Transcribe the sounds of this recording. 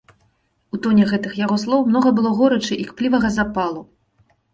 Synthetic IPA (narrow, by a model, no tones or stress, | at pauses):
ut̪ɔnʲɛɣɛt̪ɨxjaɣɔslˠɔwmn̪ɔɣɐbɨlˠɔɣɔɾɐt͡ʂɨʔikplʲivɐɣɐzapalˠu